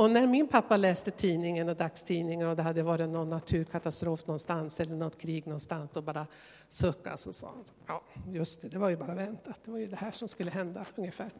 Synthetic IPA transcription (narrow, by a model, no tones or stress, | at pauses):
ɔnæɾmɪnpʰapːalɛːst̪ət̪ʰiːnɪŋənɔd̪akst̪ʰiːnɪŋənɔd̪ɛɦad̪ːəjəvɑːɾɪnːɔnːat̪ʰʉ̟ːɾkʰat̪ast̪ɾoːfnɔnst̪ansɛlːəɳɔt̪ːkʰɾiːɡnɔnst̪ansd̪ɔbɑːɾa | sɵkːa̰sɔsɔ̰jɑːjɵst̪ɛd̪ɛvaɾjɵbɑːɾavɛnt̪at̪̚d̪ɛvaɾjɵd̪ɛhæːʂɔmskɵlːəɦɛnd̪aɵŋjəfæːɾ